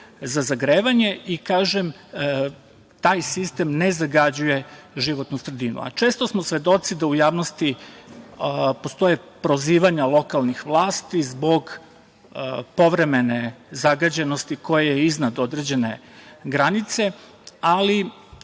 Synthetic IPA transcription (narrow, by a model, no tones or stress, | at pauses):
zazaɡɾeːʋaɲe̞ʔikaːʒem | t̪aːjsist̪e̞mne̞zaɡad͡ʑuje̞ʒiʋo̞t̪nusɾed̪inṵa̰t͡ʃe̞ːst̪o̞smosʋe̞d̪o̞t̪sid̪aujaːʋnost̪i | po̞st̪o̞jepɾoziːʋaɲalˠo̞kalˠnixʋlˠaːst̪izbo̞ɡ | po̞ʋɾe̞me̞ne̞zaɡad͡ʑe̞no̞st̪iko̞jejeiznad̪o̞d̪ɾed͡ʑe̞ne̞ | ɡɾanit̪se̞ | ali